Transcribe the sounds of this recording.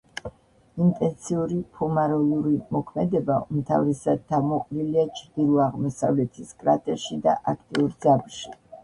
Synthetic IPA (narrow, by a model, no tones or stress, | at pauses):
int̪ʼɛnt̪sʰiuɾipʰumaɾɔlˠuɾimɔkʰmɛd̪ɛbaumt̪ʰa̰vɾɛsad̪̚t̪ʰːamɔqʼɾiliat͡ʃʰɾd̪iɾuaʁmɔsa̰vlɛt̪ʰiskʼɾat̪ʰʼɛʃid̪a̰ʔakʰt̪ʼiuɾd̪zabɾʃi